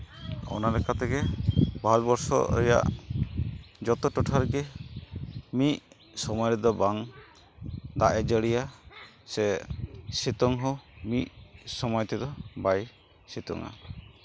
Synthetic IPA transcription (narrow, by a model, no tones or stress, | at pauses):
ɔ̰nalɛkat̪ʰɛkɛbʱalbɔɾsɔ̰ɾɛ̰ja̰ʔ | d͡ʒɔt̪ɔʈɔʈʰaɾɡɛ | miʔ | sɔmɔjɾɛd̪ɔbaŋ | d̪aʔɛd͡ʒəɽija | sɛsit̪ɔŋɦɔmiʔsɔmɔjɔt̪ɛd̪ɔbaj | sit̪ɔ̰ŋa̰